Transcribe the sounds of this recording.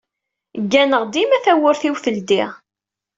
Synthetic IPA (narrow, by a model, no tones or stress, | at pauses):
ɡːænəʁd̪imæθæwʊɾθiwθəld̪iʁ